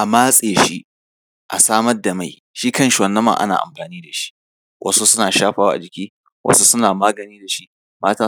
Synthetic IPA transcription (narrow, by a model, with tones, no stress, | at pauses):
ʔa˨maː˦sʼeː˨ʃi˦ʔ | ʔa̰˨saː˦mɐ˦rda˨ma˦˨j | ʃi˦kɐ˦˨ʃwɐ˨nːɐ˦mːɐ̰˦˨ʔa̰˦na̰ː˨ʔa̰˨mɸaː˨niː˦da˨ʃi̥˦ʔ | wʔɐ̰˦su˦sʊ˦naː˨ʃaː˦ɸaː˦wa̰˦a̰˨d͡ʒɪ˨kʲiː˦ | wʔɐ̰˦su˦sʊ˦naː˨maː˦ɡɐ˨niː˦da˨ʃi˦ | maː˦taː˦